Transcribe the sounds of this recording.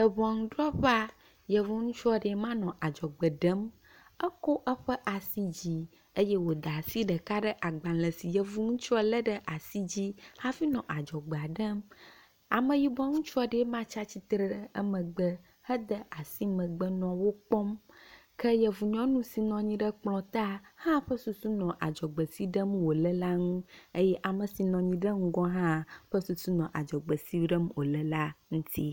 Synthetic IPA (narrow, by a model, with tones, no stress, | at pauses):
jə˨bɔ̃˨ŋ̃˨ɖɾɔ˦ɸa˦ | jə˨vu˦ŋũ˦t͡ʃu˦ɔ˦ɖe˨˦mã˦nɔ̃˨ʔa˨d͡ʒɔ˨ɡ͡bə˨ɖə˦m | ə˦ko˦ʔə˦ɸə˦ʔa˨si˦d͡ʑi˦ | ə˦je˦wo˨d̪a˨si˦ɖə˨ka˦ɖə˦ʔa˨ɡ͡bã˨lə˨si˨jə˨vu˦ŋũ˦t͡ʃu˦ɔ˦lə˦ɖə˦ʔa˨si˦d͡ʑi˦ha˦fi˦nɔ̃˨ʔa˨d͡ʒɔ˨ɡ͡bə˨a˨ɖə˦m | a˨mə̃˨ji˨bɔ̃˦ŋũ˦t͡ʃu˦ɔ˦ɖe˨˦mã˦t͡ʃa˦t͡ɕi˦t̪ɾə˦ɖə˦ə˦mə̃˨ɡ͡bə˦ | hə˦d̪ə˦ʔa˨si˦mə̃˨ɡ͡bə˦nɔ̃˨wo˦k͡pɔ˦m | kʰə˦jɛ˨vu˨ɲɔ̃˦nũ˦si˨nɔ̃˨ɲĩ˦ɖə˦k͡plɔ̃˨t̪a˦hã˦ɸə˦su˨su˦nɔ̃˨ʔa˨d͡ʒɔ˨ɡ͡bə˨si˦ɖə˦mwo˨lə˦la˦ŋũ˦e˦jɛ˦ʔa˨mə˨si˨nɔ̃˨ɲĩ˦ɖə˦ŋ̩˦ɡɔ̃˦ɦã˦ɸə˦su˨su˦nɔ̃˨ʔa˨d͡ʒɔ˨ɡ͡bə˨si˦ɖə˦mwo˨lə˦la˦ŋũ˦t̪ʰi˦